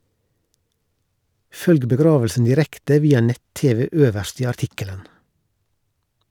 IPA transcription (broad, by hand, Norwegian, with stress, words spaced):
ˈfœlɡ bəˈɡɾɑːʋl̩sn̩ dɪˈɾɛktə ˈʋiːɑ ˈnɛt ˈteːʋɛ ˈøːʋəʃt ˈiː ɑɾˈtɪkələn